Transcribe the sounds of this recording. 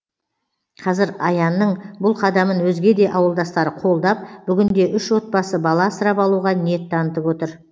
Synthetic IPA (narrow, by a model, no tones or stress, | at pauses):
qʰɑzɪɾɑjɑnːəɴbʊlˠqʰɑd̪ɑmənwɵzɡʲe̞d̪e̞ʔɑwəlˠd̪ɑst̪ɑɾəqʰo̞lˠd̪ɑp̚b̥ʏɡʲɪnd̪e̞ʔʏʃwo̞t̪̚pɑsəbɑlˠɑsəɾɑpɑlˠuʁɑnije̞t̪ːɑnət̪əpwo̞t̪əɾ